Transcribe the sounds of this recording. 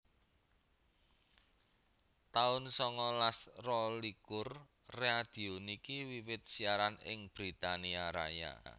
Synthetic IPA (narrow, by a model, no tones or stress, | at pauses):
t̪aʊnsɔŋɔlasrɔlikʊrː | ead̪̥i̤onikiwiwɪt̪̚siaɾanɪ̰ŋb̥ɾit̪aniaɾa̰ja̰